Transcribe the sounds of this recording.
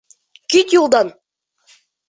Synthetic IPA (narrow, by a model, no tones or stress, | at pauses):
kʲit̪julˠd̪ɑn